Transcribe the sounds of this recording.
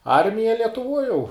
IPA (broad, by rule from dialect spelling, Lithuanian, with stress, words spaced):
ˈɐrʲmʲɪjɛ lʲiɛtʊˈʋoːj jɛʊ